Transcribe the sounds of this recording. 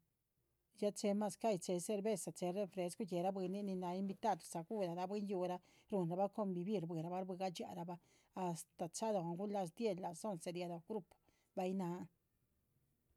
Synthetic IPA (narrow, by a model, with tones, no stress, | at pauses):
ja˦t͡ʃe˧ma˦˧ska˦˨jt͡se˧se˧ɾbe˦sa˨t͡se˨˧ɾe˦fɾe˨˦sku˦je˨ɾa˦bwe˧nːi˦ni˧na˧i˦mbi˧t̪a˦˧d̪sa˨ɡu˦ɾa˨ɾa˧˦be˦nju˧ɾa˧˦ | ɾu˨nɾa˧ba˦ko˧mbi˧bi˦˧˨ɾbʷɨ˨ɾa˨ba˦ɾbɨ˧ɡa˦t͡ʃa̰˨ʔɾa˧baː˦˨ | st̪a˨t͡ʃa˦d̪a˧˨a˨ŋɡu˦nla˧s̬d̪je˦lːa˨so˦˨nse˧d̪ja˧d̪a˨ɡɾu˦p | ba˧jna˧˦